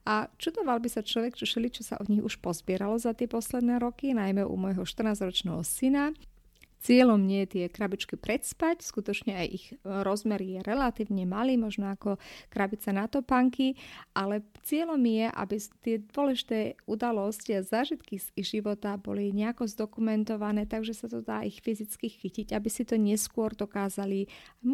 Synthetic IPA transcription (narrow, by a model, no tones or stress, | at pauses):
at͡ʃud̪ɔʋalbisat͡ʃlɔʋɛkt͡ʃɔʃɛlit͡ʃɔsa̰ʔɔd̪ɲixuʃpɔzbɪɛɾalɔzat̪ɪɛpɔslɛd̪nɛːɾɔkinajmɛʔṵmɔjɦɔʃt̪r̩naːzɾɔt͡ʃnɛɦɔsina | t͡sɪɛlɔmɲɛjɛt̪ɪɛkɾabit͡ʃkipɾɛt̪spacskut̪ɔt͡ʃɲɛajʔixɾɔzmɛɾjɛɾɛlat̪iːʊɲɛmaliːmɔʒnɔakɔkɾabit͡sanat̪ɔpaŋkiʔalɛt͡sɪɛlɔmjɛʔa̰bit̪ɪɛd̪ʊɔlɛʒit̪ɛːud̪alɔsciazaːʒit̪kiʒiʋɔt̪abɔ̰liɲɛakɔzd̪ɔkumɛnt̪ɔʋanɛːt̪aɡʒɛsat̪ɔd̪aːʔixfizit͡skixiciɟabisit̪ɔɲɛskʊɔɾd̪ɔkaːzaliajm